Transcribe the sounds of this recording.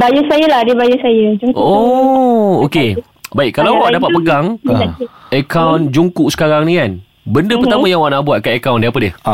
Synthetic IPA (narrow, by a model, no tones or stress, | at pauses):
bajusajaladibajusajad͡ʒuŋko | oke | baikkːalawwaʔdapat̪̚pəɡaŋ | əkawnd͡ʒuŋkuʔsə̥kaɾaŋnĩkan | bəndəpərt̪amãjãŋwaʔnaʔbuat̪̚kaakawndiapədiəh